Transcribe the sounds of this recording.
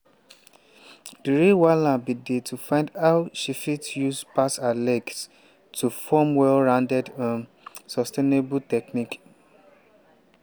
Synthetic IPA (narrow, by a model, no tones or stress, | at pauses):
d̥iɹiwalãbidetʰufãɪ̃ndaʊʃifitjuspasalɛks | tʰufɔmwɛlɹãndɛdɔ̃ | sɔstenebutɛknik